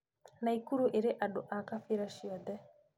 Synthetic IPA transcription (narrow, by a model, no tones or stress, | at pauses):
naikuɾuʔeɾeʔaɗʊʔakafiɾaʃiɔd̪ɛ